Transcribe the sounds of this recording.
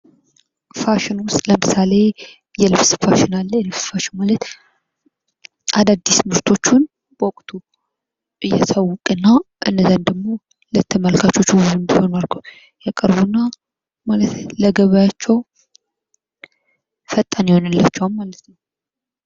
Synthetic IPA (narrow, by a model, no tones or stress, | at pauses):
faʃɪnwʊst̪ʼləmɨsale̞ | jɛlɨfsfaʃɪnalːəjlɨsfaʃɪnmalət̪ | ʔad̪ad̪ːismɨɾt̪ʰo̞t͡ʃːun | wɔkʼt̪ʰu | ʔɨjːɛsəwːʊkʼɨnːaʔɨ̰nːəzand̪əɡmo̞ | lət̪ʰːəməlkʰat͡ʃːo̞t͡ʃːzunbiho̞naɾɡəw | jakʼəɾbunːa | malət̪ləɡəβajat͡ʃːɛw | fət̪ʼːanjiho̞nɨlːat͡ʃːɛwalmalət̪nəw